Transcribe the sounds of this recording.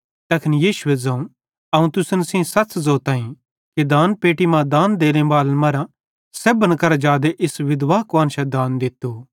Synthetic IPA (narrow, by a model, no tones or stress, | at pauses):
t̪ɐkʰnijiːʃʊed͡zɐ̃ũ | ɐũt̪ʊsənsĩsɐtszoːt̪ãːĩ | kid̪aːnpeːʈimãd̪aːnd̪eːlẽbaːlmɐɾã | seːbənkɐɾad͡ʒaːd̪eʔɪsʋɪd̪ʋaːkʋãːnʃɛd̪ãːnd̪ɪt̪ːu